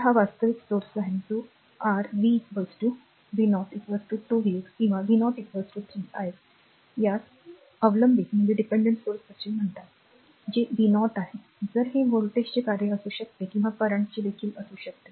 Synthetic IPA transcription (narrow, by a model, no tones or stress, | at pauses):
ɦaʋast̪əʋiksoɾsaɦed͡zo | aɾʋikbəsʈu | ʋinɔʈikbəsʈuːʈuʋikskĩw̃ʋaʋinɔʈikbəsʈuʈ̪ʰiaɦet | jat͡s | əʋləmbʱikm̤əɳd͡ʑeɖipeɳɖəɳʈsoɾsət͡ɕiːm̤əɳt̪at̪ | d͡ʑeʋinɔʈaɦe | d͡zəɾɦeʋoɭʈest͡ɕekaɾjeəsuːɕək̚t̪ekĩw̃ʋapəɾaɳʈt͡ɕed̪ekʰiːləsuːɕək̚t̪e